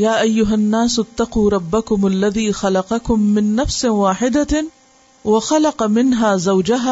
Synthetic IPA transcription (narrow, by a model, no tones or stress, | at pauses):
jaːʔajːʊɦanːaːsat̪ːɑquːɾˤɑbːakʊmʔalːaðiːxɑlɑqɑkʊmːɪnːafswaːħɪd̪a | wɪxɑlɑqɑmɪnɦaːzawd͡ʒaɦaː